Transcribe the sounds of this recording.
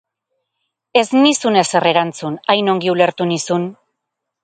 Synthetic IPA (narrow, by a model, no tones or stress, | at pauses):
e̞znisune̞se̞re̞ɾant͡sunajno̞ŋɡiule̞ɾt̪unisun